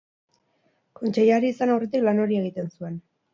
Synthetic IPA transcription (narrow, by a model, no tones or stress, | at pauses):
ko̞nt͡ʃe̞jaɾiːsanawret̪iklano̞ɾie̞ɣ̞it̪e̞nsue̞n